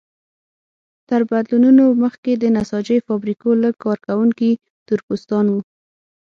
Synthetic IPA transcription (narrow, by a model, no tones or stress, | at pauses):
t̪əɾbad̪lununoməxked̪ənasɑd͡ʒəjfɑbɾikoləkɑɾkawuŋki | t̪ʊɾpust̪ɑnwu